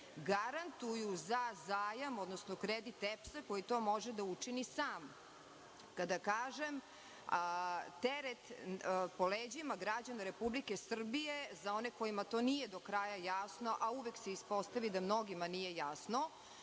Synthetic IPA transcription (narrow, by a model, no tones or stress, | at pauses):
ɡaɾant̪ujuzazaːjamo̞d̪nosnokɾed̪it̪epsako̞jit̪o̞ːmo̞ʒed̪aut͡ʂinisaːm | kad̪akaːʒem | t̪eɾet̪poleːd͡ʑimaɡɾad͡ʑanaɾepublikesr̩bijezaoneko̞imat̪o̞nijed̪okɾaːjajasno̞ʔauʋekseispo̞st̪aʋid̪amno̞ɡimanije̞jasno